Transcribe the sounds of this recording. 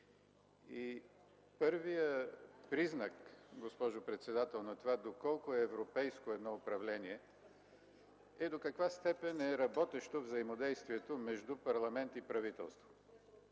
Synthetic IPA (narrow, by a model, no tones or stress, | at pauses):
i | pɤɾvijəpɾiznəkɡospɔʒʊpɾɛt̪sɛd̪at̪ɛlˠnɐt̪ovad̪okɔlˠkʊɛːvɾopɛjskoɛd̪nɔopɾɐvlɛniɛ | ɛd̪okɐkvast̪ɛpɛnɛɾɐbɔt̪ɛʃt̪ovzəimod̪ɛjst̪viɛt̪omɛʒd̪upɐɾlˠɐmɛnt̪ipɾɐvit̪ɛ̰lˠst̪vo̥